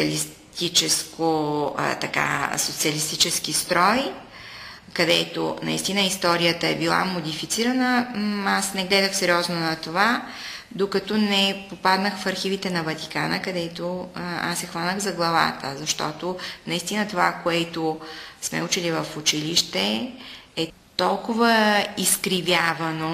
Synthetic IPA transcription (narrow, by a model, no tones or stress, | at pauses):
lis | t̪it͡ʃɛskot̪ɐka̰sot̪siəlist̪it͡ʃɛsk̟ist̪ɾɔj | kɐd̪ɛt̪o̰nɐ̰ist̪inəist̪ɔɾijət̪əɛbilˠa̰mod̪ifit̪siɾənəasnɛɡlɛd̪əxsɛɾʲjɔznonɐt̪ova | d̪okɐt̪ɔnɛpopad̪nəxfɐɾxivit̪ɛnɐvɐt̪i̥kanəkɐd̪ɛt̪oa̰sɛxvanəɣzɐɡlˠɐva̰t̪ə̰zɐʃt̪ɔ̰t̪onɐist̪inət̪ovakoɛt̪osmɛ̰ut͡ʃilivəfʊt͡ʃiliʃt̪ɛ | ɛ | t̪ɔlˠkʊvəiskɾivʲjavɐno